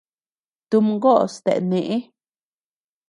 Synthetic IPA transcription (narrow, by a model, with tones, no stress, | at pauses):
t̪u˧mɡo˦˨st̪ḛ˨ne˨ʔe˦